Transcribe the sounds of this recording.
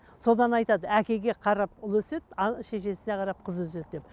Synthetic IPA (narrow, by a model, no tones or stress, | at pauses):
so̞d̪ɑnɑjt̪ɑd̪əækʲe̞ɡʲe̞qʰɑɾɑpʊlˠɵse̞t̪ɑʃe̞ʃe̞sɪneqʰɑɾɑp̚qʰəzwɵse̞t̪̚d̪ep